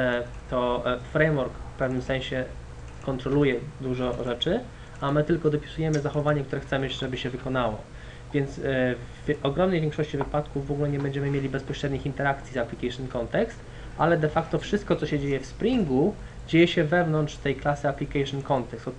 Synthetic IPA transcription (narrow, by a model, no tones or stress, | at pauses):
t̪ɔfɾɛjmwɔɾkfpɛvnɘmsɛñɕɛ | kɔnt̪ɾɔlujɛd̪uʐɔʐɛt͡ʂɘ | amɘt̪ɘlkɔd̪ɔpʲi̥sujɛmɘzaxɔvaɲɛk̚t̪uɾɛxt̪sɛmɘʐɛbɘɕɛvɘkɔnawɔ̰ | vʲjɛnt̪svʲ | ʔɔɡɾɔmnɛjvʲjɛ̃ŋkʂɔɕt͡ɕivɘpat̪kuvːɔɡulɛɲɛbɛɲd͡ʑɛmɘmʲjelʲibɛspɔɕɾɛd̪ɲixint̪ɛɾak̚t̪sʲizaplʲikajʂnkɔnt̪ɛkst̪ | ʔalɛd̪ɛfakt̪ɔfʂɘst̪̚kɔt̪sɔɕɛd͡ʑejɛfspɾʲiŋɡu | d͡ʑejɛɕɛvɛvnɔnt̪ʂt̪ɛjklasɘaplʲikaʂnkɔnt̪ɛkst̪